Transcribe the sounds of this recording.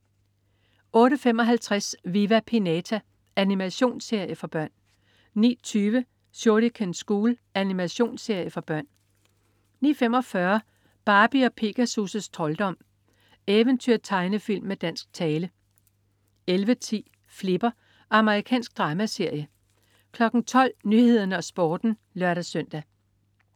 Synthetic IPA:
ɔ̽ːɾəfemɒ̽ɦælt͡sʰʁasʋiʋæpʰinɛt͡sʰæ | ænimæɕo̝̰ːnse̝ɐ̰jəfɒ̽b̥ɶɐ̰n | nḭːt͡sʰyːʋə | soɐɾ̥ikʰensɡ̥uːlænimæɕo̝̰ːnse̝ɐ̰jəfɒ̽b̥ɶɐ̰n | nḭːfem̰ɒ̽fɶɐ | b̥ɑ̈ːb̥iɒ̽pʰe̝ɡ̥æsusəst͡sʰʁɒ̽ld̥ɒ̽m̰ | eʋənt͡sʰyɐ̰t͡sʰɑ̈ɪnəfil̰mːed̥æn̰sɡ̥̚t͡sʰɛːlə | elʋət͡sʰḭː | fle̝b̥ɐ | ɑ̈məʁikʰɛ̰ːnsɡ̥̚d̥ʁɑ̈ːmæse̝ɐ̰jə | kʰlɒ̽ɡ̥n̩t͡sʰɒ̽l̰nyhe̝ð̰ˠɐnəɒ̽sb̥ɒːd̥n̩lɶɐ̰ɾæsœn̰d̥æ

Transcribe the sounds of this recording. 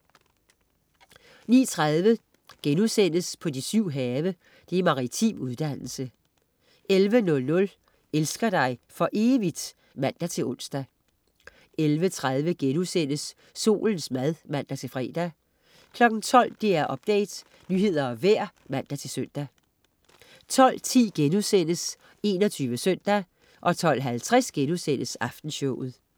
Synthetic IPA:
nḭːt͡sʰʁaðˠʋə | ɡ̥enuðˠsen̰əspʰɒ̽d̥isyʊ̰ɦɛːʋə | d̥e̝mɑ̈ʁit͡sʰḭmuð̞ˠd̥æn̰l̩sə | elʋənɔ̽lnɔ̽l | elsɡ̥ɐd̥ɑ̈ɪfɒ̽ʔe̝ːʋid̥ | mæn̰d̥æt͡sʰe̝lɔ̽n̰sd̥æ | elʋət͡sʰʁað̞ˠʋəɡ̥enuðˠsen̰əsː | o̝̰ːln̩smæð̞ˠmæn̰d̥æt͡sʰe̝lfʁɛ̰ːd̥æ | kʰlɒ̽ɡ̥n̩t͡sʰɒ̽l̰d̥eæɐʔɒ̽b̥̚d̥ɛ̰ːɪd̥ | nyːɦe̝ð̞̰ˠɐɒ̽ʋæɐ̰mæn̰d̥æt͡sʰe̝lsøn̰d̥æ | t͡sʰɒ̽l̰t͡sʰḭːɡ̥enuðˠsen̰əs | e̝̰ːnɒ̽t͡sʰyːʋəsøn̰d̥æ | ʔɒ̽t͡sʰɒ̽l̰ɦælt͡sʰʁasɡ̥enusen̰əsɑ̈fd̥n̩ɕɔʊð̩ˠ

